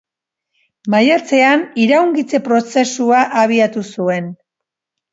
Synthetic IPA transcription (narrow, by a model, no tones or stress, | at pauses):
majaɾt͡se̞aniɾawŋɡit͡se̞pɾo̞se̞suaʔaβ̞iat̪usue̞n